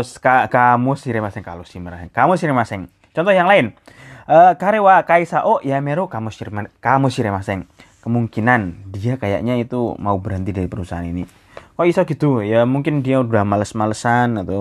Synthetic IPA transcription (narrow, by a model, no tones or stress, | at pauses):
skakamosiɾɛmasɛŋka̰losiməɾasɛŋkamʊsiɾɛmasɛŋ | t͡ʃɔnt̪ɔhjaŋlaɪnʔəkaɾewakaisaʔoʔjameɾukamosiɾmakamosiɾemasɛŋkəmuŋkinandiakaja̰ʔɲait̪umaubəɾɦənt̪idaɾipəɾusaɦanini | koisaɡit̪ujamuŋkɪndiaudahmaləsmaləsanat̪u